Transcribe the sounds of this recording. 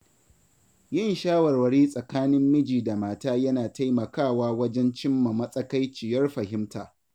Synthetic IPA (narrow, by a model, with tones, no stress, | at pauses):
jɪ˦˨nʃaː˦wɐ˨rwɐ˨ɽiː˦sʼɐ˨kaː˦nɪ˦mːɪ˦d͡ʒiː˨da˨maː˦˨taː˦jɐ˦naː˨ta˦jmɐ˨kaː˦˨waː˦wɐ˦d͡ʒɛ˦nt͡ʃɪ˦mːɐ˨mɐ˦sʼɐ˦ka˦jt͡ʃɪ˨jɐ˦rɸɐ˨hɪ˦mtaː˨